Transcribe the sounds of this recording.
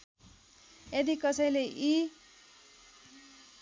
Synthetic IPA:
ed̪ikʌsʌjleʔi

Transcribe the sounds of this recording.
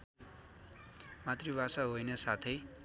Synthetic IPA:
mat̪ribasaɦojnʌsat̪ʰʌj

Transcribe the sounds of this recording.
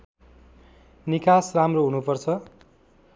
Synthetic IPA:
nikasramroɦunupʌrt͡sʰʌ

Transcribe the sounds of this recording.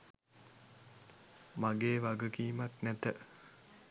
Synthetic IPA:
maɡeːʋaɡukiːmaknæt̪ə

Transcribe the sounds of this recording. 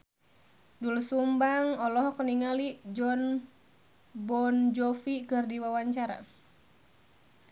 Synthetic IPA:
dulsumbaŋɔlɔɦɔkəniŋalid͡ʒɔn | bɔnd͡ʒɔfikɨrdiwawaɲt͡ʃaɾa̰

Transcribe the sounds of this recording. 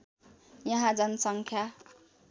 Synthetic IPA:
jʌɦãd͡zʌnʌsʌŋkʰja

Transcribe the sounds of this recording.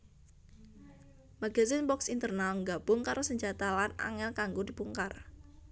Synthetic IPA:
maɡazinbɔksint̪ərnalŋɡab̥ʊŋkaɾosəɲd͡ʒat̪alana̰ŋɛlkaŋɡodipuŋkar

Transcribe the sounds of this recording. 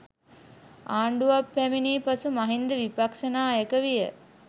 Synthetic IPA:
aːɳɖuʋapːæminiːpasumaɦind̪əʋipakʂənaːekəʋijə

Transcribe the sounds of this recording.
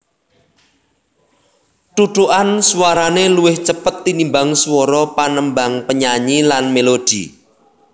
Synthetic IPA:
ʈ̪ud̪uʔanswaɾaneluwɪht͡ʃəpət̪ːinimbaŋswɔɾɔpanəmbaŋpəɲaɲilanmelod̪̥ḭ

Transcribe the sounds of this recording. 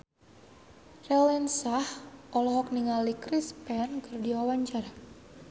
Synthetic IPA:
rɛlɛnsahʔɔlɔɦɔk̚niŋalikɾispɛnɡərdiwawaɲt͡ʃaɾa

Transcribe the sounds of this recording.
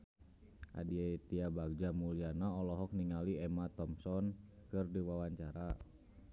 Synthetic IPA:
ʔa̰diet̪iabaɡ̚d͡ʒamulianaɔlɔɦɔk̚niŋaliɛmat̪ɔmsɔn | kɨrdiwawaɲt͡ʃaɾa

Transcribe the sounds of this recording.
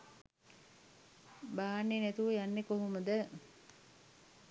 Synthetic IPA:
baːanːenæt̪uʋəjanːekoɦuməd̪ə

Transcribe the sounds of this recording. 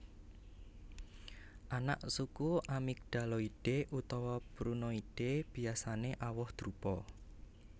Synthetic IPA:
ʔana̰ʔsukuʔamik̚ɖ̪̥a̤lɔiɖ̥eʔut̪ɔwɔpɾunɔiɖ̥eb̥i̤asaneʔawɔhd̪̥ɾupɔ

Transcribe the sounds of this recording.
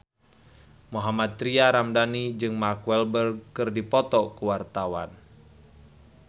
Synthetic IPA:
muɦamat̪̚ːɾiaɾamdanid͡ʒɨŋmarkwɛlbərɡ̚kɨrdipɔt̪ɔkuwart̪awa̰n

